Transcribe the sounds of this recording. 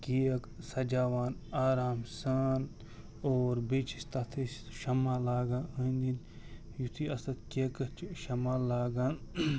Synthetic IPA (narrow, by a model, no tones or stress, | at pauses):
kiɐksɐd͡ʒaːʋaːnaːɾaːmsaːn | oːɾbeːt͡ʃʰi̥st̪ɐt̪ʰis | ʃɐmaːlaːɡaːɐnd̪in | jut̪ʰiɐst̪ɐt̪kekɐt͡ʃʃɐmaːlaːɡaːn